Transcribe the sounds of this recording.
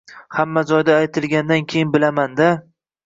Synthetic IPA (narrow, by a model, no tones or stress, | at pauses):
hamːad͡ʒɒjd̪aːjt̪ʰɪlˠɡʲand̪ankʲʰejɪnbɪlamand̪a